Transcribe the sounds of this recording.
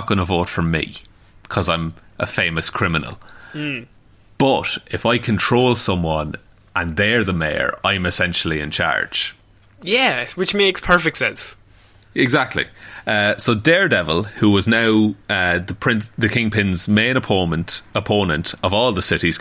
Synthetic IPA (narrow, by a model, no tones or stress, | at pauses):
t̚ɡ̥ʌnəvoːtfə˞mḭ̥ | kʰɒzãɪ̃mʔəfẽɪməskʰɹ̥ɪmɪnə̰l̩ˠ | b̥ʌɾɪfaɪkʰə̃ntʰɹ̥oːlˠsʌ̃mwɒ̃n | ʔə̃nðə˞ðəmeɪə̰ɹã̰ɪ̃mɪsɛ̃nʃəl̩ˠiɪ̰̃nt͡ʃʰa̰ɹd̥ʒ̥ | jæwɪt͡ʃmekspʰɜ˞fɪk̚tsɛ̃ns | ɪɡzak̚tʰˡlḭʌsoʊdɛɹdɛvəlˠhuwɒznaʊʌðəpʰɹ̥ɪ̃nðəkʰɪ̃ŋpʰɪ̃nzmẽɪ̃ñəpʰõʊ̃nə̃ntəpʰõʊ̃nə̃ntʰəvɔːlˠðəsɪɾiz̥